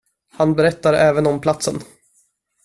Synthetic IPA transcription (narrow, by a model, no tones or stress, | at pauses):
hanbɛɾɛt̪ːaɾɛːvənɔmpʰlat̪sən